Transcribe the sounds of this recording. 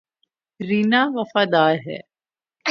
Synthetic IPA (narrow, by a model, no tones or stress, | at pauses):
ɾinaːʋɐfaːd̪aːɾɦɛ̰ː